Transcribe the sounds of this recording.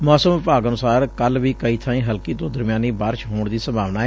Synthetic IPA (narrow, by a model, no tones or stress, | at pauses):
mɔːsəmʋɪpaːɡənʊsaːɾkəlʋiːkəiːt̪ʰãːĩːɦəlkiːt̪õːd̪əɾmjãːniːbaːɾʃɦoːɳd̪iːsəmbʱaːʋnaːɛ